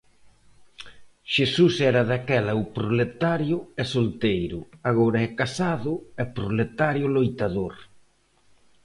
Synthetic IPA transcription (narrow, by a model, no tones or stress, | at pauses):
ʃesusɛɾɐðakɛlɐʊpɾolet̪aɾjʊɛsolt̪ejɾʊaɣ̞oɾɐɛkasaðʊɛpɾolet̪aɾjʊlojt̪aðoɾ